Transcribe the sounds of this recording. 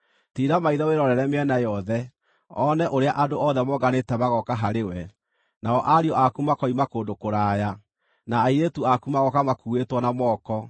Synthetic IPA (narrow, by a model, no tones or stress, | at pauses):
tiɾamaiðɔweɾɔɾɛɾɛmeɛnajɔðɛ | ɔnɛʔoɾeaʔadoɔðɛmɔɡanetɛmaɣɔkaɦaɾewɛ | naɔʔaɾiɔʔakumakɔimakoːndokoɾaːja | naːiɾetuakumaɣɔkamakuetwɔnamɔːkɔ